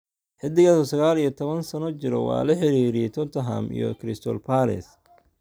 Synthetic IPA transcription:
ħɪd̪ɪɣasɔsɐɣaːlijɔt̪ʰɔβɐnsɐnɔt͡ʃɪɾɔ̰wɑ̰ːlɐħɪɾiːɾɪjɛjt̪ʰɔt̪ʰɐɦa̰mḭjɔ̰kʰɾɪst̪ʰɔlpʰaɾɪ̰s

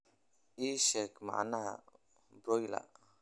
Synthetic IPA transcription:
isɛkma̰ʔna | bɾɔjla̰

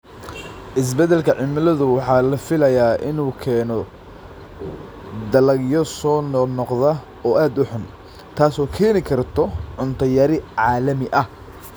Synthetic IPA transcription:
ʔɪs̬bɛd̪ɛlkʰɐʕɪmɐlɐðʊwɑħɑːlɐfɪlɐjaːʔɪnuːkʰɛːnɔ | d̪ɐlɐɡjɔsɔːnnɔqðɐ | ɔːʔaːd̪ʊħʊn | t̪ʰaːsɔːkʰɛːnɪkʰɐrt̪ʰɔʕʊnt̪ʰɐjɐɾɪʕɑːlɐmɪʔɐh

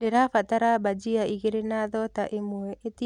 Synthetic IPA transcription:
eɾafataɾabad͡ʒiaiɣeɾenaðɔtaʔemwɛeti

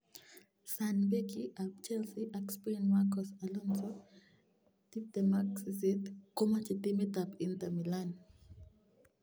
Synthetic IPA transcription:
sanbekiʔab̚t͡ʃɛlsiʔakspinmakɔsalɔnsɔ | tip̚d̪ɛmaksisit̪komat͡ʃit̪imit̪apint̪amilan

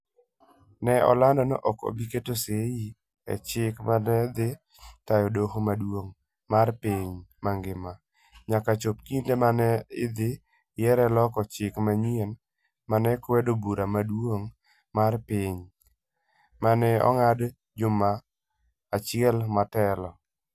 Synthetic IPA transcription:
nɛɔ̰landɔnoʔɔko̰biketoseji | ɛ̰t͡ʃɪkmanɛd̪ɪ | tajɔdohomadwoŋ | marpiɲmaŋɡɪma | ɲakat͡ʃop̚kindemanɛɪd̪ɪ | jɛɾɛlɔkɔt͡ʃɪkmaɲiɛn | manɛkwɛdobuɾʔamadwoŋ | marpɪɲ | manɛɔ̰ŋad | d͡ʒʊmaː | t͡ʃɪɛlmatɛlɔ

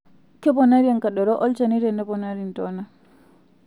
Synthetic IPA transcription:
kɛbɔnaɾiankaɗɔɾɔʔɔlt͡ʃaniɾɛndɛbɔnaɾintɔna

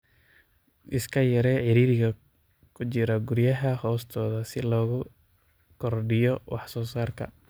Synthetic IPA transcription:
ʔɪskʰɐjɐɾɛːʕɪɾiːɾɪɣɐ | kʰʊt͡ʃɪɾɐɡʊɾjɐɦɐhɔːst̪ʰɔːðɐsɪlɔːɣʊ | kʰɔrɖɪjɔwʔɑ̰ħsɔːsaːrkʰɐ̰

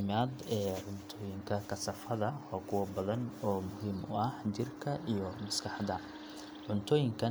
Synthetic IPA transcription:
maːd̪ɛːʕʊnt̪ʰɔːjɪŋkʰɐkʰɐsɐfɐðɐɔːkʰʊwɐbɐðɐnɔːmʊɦiːmʊ̰ɐhd͡ʒɪrkʰɐʔijɔmɐskʰɑħd̪ɐ | ʕʊnt̪ʰɔːjɪŋkʰɐ

